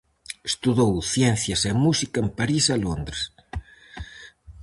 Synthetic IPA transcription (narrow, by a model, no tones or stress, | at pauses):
e̥st̪uðowθjɛn̟θjɐsemusikɐempaɾisalond̪ɾes